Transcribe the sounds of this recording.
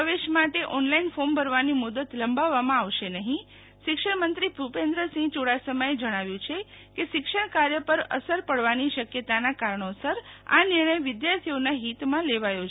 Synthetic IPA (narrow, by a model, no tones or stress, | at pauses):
pəʋeʃmaʈeʔɔnlainfombʱəɾʋanimud̪ət̪ləmbaʋːamãaʋʃenəɦĩ | ʃɪkʃəɽmənt̪ɾipɾupẽnd̪ɾəsĩɡd͡ʒoɽasəməjed͡ʒəɽ̃aʋjũt͡ʃʰe | keʃɪkʃəɽkaɾjəpəɾə̰səɾpəɽʋaniʃəkjət̪anakaɾɳosəɾa̰nɪɾɳ̃əjʋɪd̪jaɾt̪ʰionaɦit̪mãleʋajo